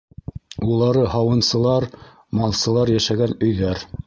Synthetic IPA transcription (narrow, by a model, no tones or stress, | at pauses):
ulˠɑɾɤɦɑwɤ̆nsɤ̆lˠɑɾ | mɑlˠsɤ̆lˠɑɾjæʃæɡænɵ̆jðæɾ